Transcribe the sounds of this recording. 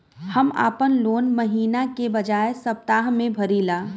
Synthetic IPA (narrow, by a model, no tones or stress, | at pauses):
hɐma̰ːpənloːnmɐɦiːnakebɐd͡ʒaːesɐp̚t̪aːɦmẽbʱɐɾiːlaː